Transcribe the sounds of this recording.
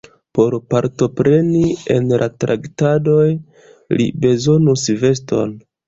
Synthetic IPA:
po̞ɾpaɾto̞pɾe̞nie̞̰nlʔa̰tɾa̰ktado̞j | lḭbe̞zo̞nusve̞s̬to̰n

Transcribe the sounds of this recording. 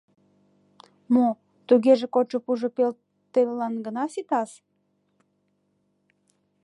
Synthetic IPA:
mo | t̪uɣeʒekot͡ʃopuʒopel | t̪ellɑnɡənɑsit̪ɑs

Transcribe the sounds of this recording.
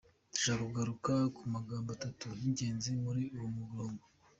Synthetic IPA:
ʒakuɡaɾukakumaɡaːmbatatujiɲɟe̞ːnzimuɾiuwomuɡloːŋɡo

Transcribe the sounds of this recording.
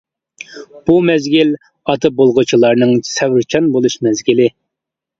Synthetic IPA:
b̥umɛzɡʲil | ɑt̪ʰɨbolˠʁʊt͡ʃʰilˠɑɾnɨŋsɛwɪɾt͡ʃʰɑnbolˠuʃmɛzɡʲilɪ

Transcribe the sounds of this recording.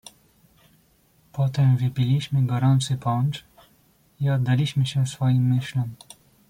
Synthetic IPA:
pɔt̪ɛmvɘpʲilʲiɕmɘɡɔɾɔnt̪sɘpɔnt͡ʂ | iɔd̪d̪alʲiɕmɘɕɛsfɔjimːɘɕlɔm

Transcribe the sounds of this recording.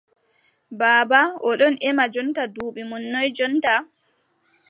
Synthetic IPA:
baːbaʔɔɗɔnʔɛmad͡ʒɔntaduːɓimɔnːɔjd͡ʒɔnta

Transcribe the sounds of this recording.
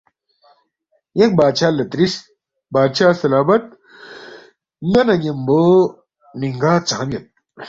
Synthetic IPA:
jek̚baːd̪ɕaːlɐt̪ɾis | baːd̪ɕaːsɐlaːbɐt̪̚ | ŋɡɐnɐɡemboː | niŋɡaːt͡saamjɐt̪̚

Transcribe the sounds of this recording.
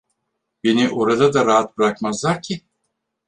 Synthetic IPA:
be̞niʔo̞ɾad̪ad̪aɾaɦat̪̚bɯɾakmazlˠaɾcʰɪ

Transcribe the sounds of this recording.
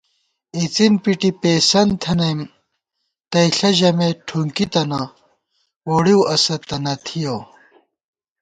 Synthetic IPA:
it͡sinpiʈipeːsɐnt̪ʰɐnɐjm | t̪ɐjɬɐʑɐmeʈʰuŋkit̪ɐnɐ | woɽiwɐsɐt̪ɐnɐt̪ʰijo

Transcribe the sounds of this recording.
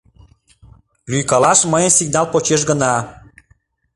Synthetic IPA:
lyjkɑlɑʃməjənsiɡ̚nɑlpot͡ɕeʃ̬ɡə̆nɑ

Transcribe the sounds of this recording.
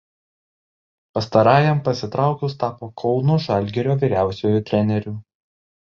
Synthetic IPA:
pɐst̪ɐɾɑːjɛmpɐsʲɪt̪ɾʔɑˑʊkʲʊst̪ɑːpoːkʰɔʊlˠnuːʒɑlʲɡʲɛɾʲoːʋʲiːɾʲæˑʊsʲoːjʊt̪ʲɾʲɛnʲɛɾʲuː

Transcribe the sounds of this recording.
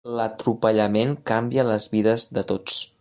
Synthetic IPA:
lət̪ɾupəʎəmeŋkambiələzβiðəzðət̪ot͡s

